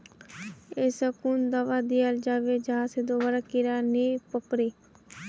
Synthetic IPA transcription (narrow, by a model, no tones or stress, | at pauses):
esəkuːnd̪əʋaːd̪iald͡ʒaːʋed͡ʒəaːsed̪oːbaɾaːkɪɾaːniːpəkɾiː